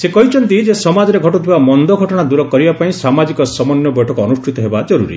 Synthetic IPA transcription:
sekɔɦit͡ʃʰɔnt̪id͡ʒesɔmad͡ʒɔɾeɡʱɔʈut̪ʰibamɔnd̪ɔɡʱɔʈɔɽ̃ad̪uɾɔkɔɾibapaĩsamad͡ʒikɔsɔmɔnjɔbɔjʈʰɔkɔːnusʈʰit̪ɔɦebad͡ʒɔɾuɾḭ

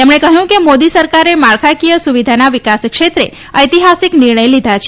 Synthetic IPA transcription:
t̪emɳekəɦjũkemod̪isəɾkaɾemaɭkʰakijəsuʋid̪ʱanaʋikaskʃet̪ɾe | əjt̪iɦasiknɪɾɳəjlid̪ʱat͡ʃʰ

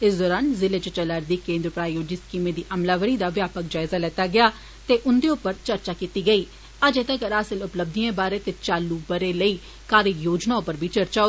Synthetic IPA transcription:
ɪsd̪ɔːɾaːnzɪleːt͡ʃət͡ʃələːɾd̪iːkẽːnd̪ɾpɾaːjoːd͡ʒiːskiːmeːd̪iːʔəmlaːʋəɾiːd̪aːʋjaːpək̚d͡ʒaːɪzaːlɛːt̪aːɡɪaː | t̪eːʔʊnd̪eːʊpːəɾt͡ʃəɾt͡ʃaːkiːt̪iːɡəiː | əd͡ʒeːt̪əkəɾaːsɪlʊpləb̚d̪iẽːbaːɾeːt̪eːt͡ʃaːlːuːbəɾeːləiː | kaːɾəjoːd͡ʒnaːopəɾbʱiːt͡ʃəɾt͡ʃaːo

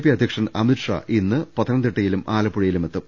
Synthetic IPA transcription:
pːiɐd̪ʱjɐkʂɐnɐmitʂa̰ʔinːɨpɐt̪ʰːɐnɐnd̪iʈːɐjilumʔaːlɐpːuɻɐjilumet̪ːɐm

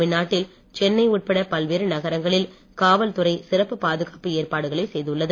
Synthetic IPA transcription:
ɪnːaːʈːɪl | t͡ʃɛnːɐɪuʈ̚pɐɽɐpɐlʋeːɾɯnɐɣɐɾɐŋɡɐɭɪl | kaːʋɐlt̪ʊɾɐɪsɪrɐpːɯpaːðɯɣaːpɯeːrpaːɽɯɣɐɭɐɪsɛjðɯɭːɐðɯ

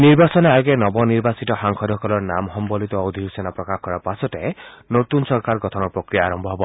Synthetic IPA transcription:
niɾbasɔneaɡenɔbɔniɾbasit̪ɔhaŋkʰɔd̪ʱɔkɔlɔɾnamɦɔmbɔlit̪ɔɔd̪ʱiɦusenapɾɔkahkɔɾapasɔtenot̪unsɔɾkaɾɡɔt̪ʰɔnɔpɾɔkɾijaːɾɔmbʱɔɦɔbɔ

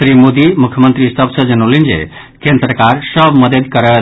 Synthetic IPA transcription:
ɾimod̪imukʰjəmənt̪ɾisəbsəd͡ʒənolind͡ʒḛ | kẽnd̪ɾəkaɾsəbməd̪əd̪kəɾə

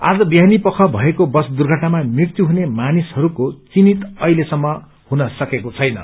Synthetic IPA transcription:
a̰d͡zʌbiɦanipʌkʰʌbʱʌekobʌsd̪urɡʱʌʈnamamikt̪uɦunemanishʌɾukot͡sinit̪ʌjlesʌmːʌ | hunʌsʌkekot͡sʰʌjnʌ̰

